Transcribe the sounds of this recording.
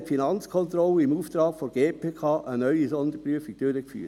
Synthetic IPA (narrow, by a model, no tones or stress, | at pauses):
tfinɑnt͡skʰɔnt̪ɾɔləɪmuːft̪ɾɑːɡ̥foɡ̥eːpʰeːkʰɑːʔənœʏisɔnd̪əɾpɾyəfiɡ̚d̥ʏɾəkfy̰ː